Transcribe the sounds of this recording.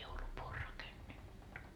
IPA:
joulupuː o rɑkenːetːu

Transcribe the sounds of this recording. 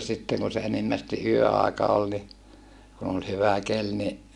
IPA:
sitːeŋ kun̞ se enimːæsti ʔyøɑˑekɑ ol ni kun ol hyʋæ kel ni

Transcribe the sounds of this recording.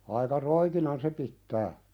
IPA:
ɑikɑ roikinɑn se pitːæː

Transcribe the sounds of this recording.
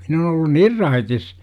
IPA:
min on olːun nir rɑitis

